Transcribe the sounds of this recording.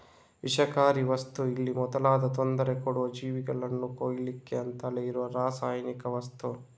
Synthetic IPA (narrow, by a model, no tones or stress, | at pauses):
ʋiʃɐkaːɾiʋɐst̪uilːimɔd̪ɐlaːd̪ɐt̪ond̪ɐɾekoɽuʋɐd͡ʒiːʋiɡɐɭɐnːukoːjɐlikːeɐnt̪ɐleiɾuʋɐɾaːsaːjɐnikɐʋɐst̪u